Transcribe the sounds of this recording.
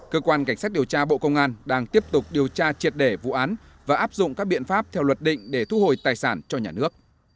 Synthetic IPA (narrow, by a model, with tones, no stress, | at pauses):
kəː˧kwaː˧nka˧˩ŋsaː˦˥t̚ɗi˨˩əwt͡ɕaː˧ɓo̰˧˨kə˧wŋ͡mʔaː˧nɗaː˧ŋt̪i˦˥əp̚t̪ʊ˨˩k͡p̚ɗi˨˩əwt͡ɕaː˧t͡ɕi˨˩ət̚ɗe˧˩vṵ˧˨ʔaː˨˦n | vaː˨˩ʔaː˦˥p̚zʊ̰˧˨ŋ͡mkaː˦˥k̚ɓḭ˧˨ənfaː˦˥p̚t̪ʰɛ˧wlwə˨˩t̚ɗḭ̈˧˨ŋ̟ɗe˧˩t̪ʰu˨˦ho˨˩jt̪aː˨˩jsaː˧˩nt͡ɕɔ˧ɲaː˨˩nɨ˦˥ək̚